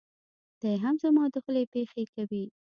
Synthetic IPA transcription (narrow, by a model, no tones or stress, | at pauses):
d̪̥ajɦamzəmɑd̪əxəlepexekawi